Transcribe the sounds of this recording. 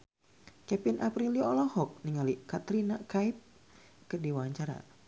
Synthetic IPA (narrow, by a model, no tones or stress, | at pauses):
kɛpɪnʔapɾiliɔlɔhɔk̚niŋalikat̪ɾinakaip̚ | kɨrdiwaaɲt͡ʃaɾa̰